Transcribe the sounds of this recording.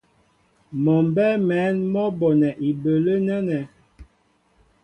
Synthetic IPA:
mɔ˨m˨bɛ˦mɛ˨˦nmɔ˦bɔ˨nɛ˨ʔi˨bə˨lə˦nɛ˦nɛ˨

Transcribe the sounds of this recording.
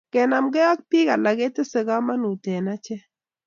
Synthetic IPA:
kɛ˨na˨mɡɛ˦a˦k̚pi˦ka˨la˨ɡe˦tɪ˦se˨ɡa˦ma˦nu˨te˨na˦t͡ʃɛ˦

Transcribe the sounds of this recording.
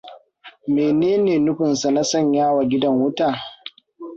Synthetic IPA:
meː˨neː˦neː˨nʊ˦ɸʊ˨nsa˨na˦sɐ˦˨ɲjaː˦wa˨ɡʲɪ˦dɐ˦ŋwʊ˦taː˨

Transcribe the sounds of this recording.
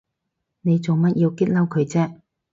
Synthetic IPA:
ne˨˧jt͡so˨˩wmɐ˥t̚ji˧wkɪ˥t̚lɐ˥wkʰɵ˨˧ɥt͡sɛː˥

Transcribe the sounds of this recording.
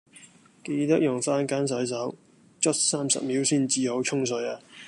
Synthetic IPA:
ke˧jt̪ɐ˥k̚jʊ˨˩ŋfaː˥nkaː˥ns̬ɐ˨˥js̬ɐ˨˥w | t͡ʃɵ˥t̚saː˥msɐ̰˨p̚miː˨˥wsiː˥nt͡siː˨˧ho˨˥wt͡ʃʰʊ˥ŋs̬ɵ˨˥jaː˧

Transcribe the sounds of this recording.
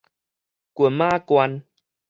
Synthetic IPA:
ku˧˩əmaː˧˥kwa˧n

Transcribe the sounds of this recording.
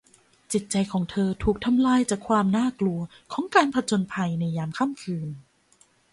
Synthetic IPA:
t͡ɕi˨˩t̪̚t͡ɕa˧jkʰɔː˩˦ŋt̪ʰɤː˧t̪ʰuː˨˩k̚t̪ʰa˧mlaː˧jt͡ɕaː˨˩kʰwaː˧mnaː˥˩klu˧ɐkʰɔː˩˦ŋkaː˧npʰa˧t͡ɕo˧npʰa˧jna˧jːaː˧mkʰa˥˩mkʰɯː˧n

